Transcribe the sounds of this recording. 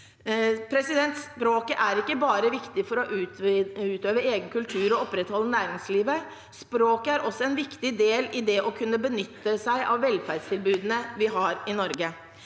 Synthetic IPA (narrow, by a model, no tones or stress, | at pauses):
pʰɾɛsɪd̪ɛnt̪spɾoːkəʔæɾɪkːəbɑːɾəʋɪkt̪ɪfɔɾɔʔ | ʉːt̪øːʋəɾeːɡənkʉlt̪ʰʉːɾɔɔpɾɛt̪hɔlːənæːɾɪŋsliːʋə | spɾoːkəæɾʔɔsːɔɛnʋɪkt̪ɪd̪eːlɪd̪ɛʔɔkʰʉnːəbənʏt̪ːəsæɪʔɑʋʋːɛlfæɾdst̪ʰɪlbʉːd̪ənəʋɪɦɑɾɪnɔɾɡə